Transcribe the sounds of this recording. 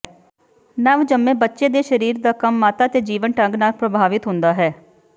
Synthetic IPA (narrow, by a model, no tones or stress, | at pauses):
nəʋd͡ʒəmːẽːbətːʃeːd̪eːʃəɾiːɾd̪aːkəmːaːt̪aːt̪eːd͡ʒiːʋənʈə̃ŋɡnaːlpɾəbʱaːʋɪt̪ɦʊ̃nd̪aːɦɛː